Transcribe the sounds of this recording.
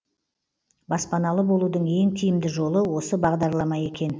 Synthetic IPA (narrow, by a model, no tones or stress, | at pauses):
bɑspɑnɑlˠəbo̞lˠud̪əɴe̞ŋt̪ʰijɪmd̪ɪʒo̞lˠəwo̞səbɑʁd̪ɑɾlˠɑmɑje̞kʲe̞n